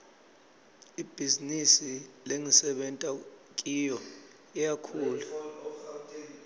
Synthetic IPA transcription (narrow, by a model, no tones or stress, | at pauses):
ib̥ʱizinisileŋisɛɓɛntʼakʼiːjɔ | ijakʰuːla